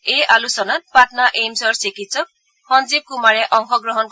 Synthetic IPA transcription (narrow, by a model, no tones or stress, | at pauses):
ejʔalusɔnat̚patnaʔejmsɔɹsikitsɔk̚ | xɔnzib̚kumaɹɛʔɔŋxɔɡɹɔɦɔnk